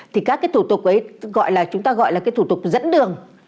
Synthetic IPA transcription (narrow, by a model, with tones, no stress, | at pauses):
t̪ʰi˨˩kaː˦˥kːaː˨˦jt̪ʰu˧˩t̪ʊ˨˩k͡p̚ʔə˨˦jɣɔ̰˧˨jlaː˨˩t͡ɕʊ˨˦ŋ͡mt̪aː˧ɣɔ̰˧˨jlaː˨˩kːaː˨˦jt̪ʰu˧˩t̪ʊ˨˩k͡p̚zə̰˧˥nɗɨ˨˩əŋ